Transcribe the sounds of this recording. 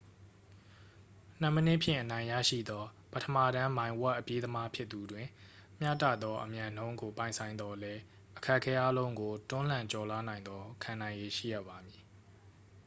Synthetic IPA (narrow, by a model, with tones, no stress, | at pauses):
n̥ə˦˨mə˦nɪ˦ʔpʰjɪ̰̃˦˨ʔənã˨ɪ̃ja̰˦˨ʃḭ˦˨d̪ɔ˦ | pətʰə˨ma˦˨ɾã˦mã˨ɪ̃wɛ˦ʔəpje˦d̪əma˦pʰjɪ˦t̪t̪ːu˨dwɪ̃˨m̥ja̰˦˨tä̰˦˨d̪ɔ˦ʔəmjã˨nõ˦ʊ̃ŋɡo˨pã˨ɪ̃sʰã˨ɪ̃nd̪ɔ˦lɛ˦ | ʔəkʰɛ˦ʔkʰɛ˦ʔa˦lõ˦ʊ̃ŋɡo˨tʊ̃˦l̥ã˨ɲt͡ɕɔ˨la˦nã˨ɪ̃nd̪ɔ˦kʰã˨nã˨ɪ̃je˨ʃḭ˦˨ja̰˦˨ba˨mji˨